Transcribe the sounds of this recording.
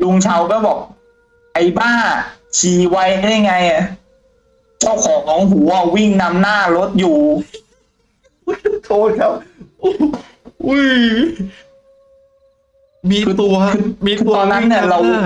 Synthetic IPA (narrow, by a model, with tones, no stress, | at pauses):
lu˧ŋt͡ɕʰa˧wkɔː˥˩bɔː˨˩k̚ | ʔa˧˩jbaː˥˩ŋt͡ɕʰiː˨˧˩wa˦˥ja˧˥˩ja˧ŋːa˧jʔa˨˩ | t͡ɕa˥˩wkʰɔː˨˦ŋkʰɔː˩˦ŋɦuː˩˦a˨˩wi˥˩ŋna˧mnaː˥˩lo˦˥t̪̚juː˨˩˥ | t̪ʰoː˧˩kʰa˦˥p̚ | ʔu˧˥j | miː˧ɯː˧kʰɯː˧iː˧kɯː˧t̪ɔː˧nːa˦˥nːi˥˩ɐɾa˧w